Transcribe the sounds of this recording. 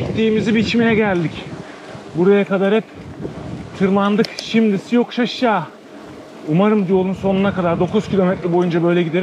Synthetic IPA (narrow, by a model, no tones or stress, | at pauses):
ic̚t̪ʰːiːmizibit͡ʃmijɛɟælʲd̪ic | buɾajakad̪aɾɛp | t̪ʰɯɾmand̪ɯkʃimd̪isijo̞kʃaʃjaː | umaɾɯmd̪ijo̞lˠunso̞nunakad̪aɾd̪o̞kuz̥cʰilʲo̞mɛt̪ɾʲɛbo̞jund͡ʒabø̞jlʲɛɟid̪e̞ɾim